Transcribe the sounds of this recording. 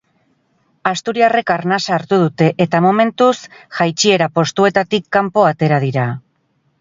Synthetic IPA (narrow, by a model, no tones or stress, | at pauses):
ast̪uɾiare̞kaɾnasaːɾt̪uð̞ut̪e̞ʔet̪amo̞me̞nt̪usʝajt͡ʃie̞ɾapo̞st̪ue̞t̪at̪ikːampo̞at̪e̞ɾað̞iɾa